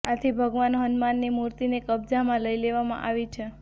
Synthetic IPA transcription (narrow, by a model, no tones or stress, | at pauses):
at̪ʰibʱəɡʋanɦənmanːimuɾt̪inekəb̚d͡ʒamãləileʋamã̰ʔaʋit͡ʃʰe